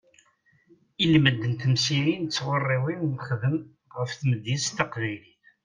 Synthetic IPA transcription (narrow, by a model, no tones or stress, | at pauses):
ilməd̪ːənt̪əmsiɾint͡sːwərˤːiwinːχðəm | ʁəfθməd̪ːist̪əqvæjliθ